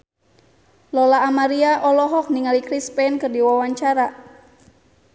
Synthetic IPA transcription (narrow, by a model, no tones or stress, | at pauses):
lɔlaːmaɾiaʔɔlɔɦɔk̚niŋalikɾispɛnkɨrdiwawaɲt͡ʃaɾa